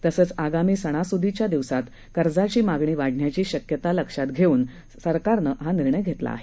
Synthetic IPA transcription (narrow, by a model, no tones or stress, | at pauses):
t̪əsəːt͡saɡamiːsəɽ̃asud̪ʱit͡ɕjad̪iʋsat̪ | kəɾd͡zat͡ɕiːmaɡɳ̃iːʋaɽ̤ɳjat͡ɕiːɕəkjət̪aləkʂat̪ɡʱeuːn | səɾkaɾnəɦaniɾɳəjɡʱet̪la̰ːɦe